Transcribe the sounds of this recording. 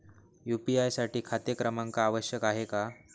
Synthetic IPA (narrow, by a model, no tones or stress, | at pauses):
jupiajsaʈiːkʰat̪jəkɾəmaŋkaːʋəɕjəkaɦeka